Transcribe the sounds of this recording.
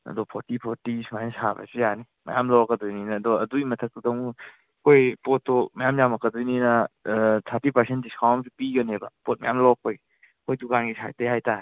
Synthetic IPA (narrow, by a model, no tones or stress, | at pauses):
ɐ̰dɔpʰoɾtipʰoɾtismajnsabɐ̰sijani | mɐ̰jamlɔwkːɐdujninɐːdɔɐduimɐtʰɐk̚tudɐwŋ | kʰojpotʰːokmɐjamjamɐkːɐdujninɐtʰaɾtipɐɾsʰentdiskʰawmsipiɡɐnebɐ̰pot̚mɐ̰jamlɔk̚oj | kʰojdukanɡisa̰tejhajta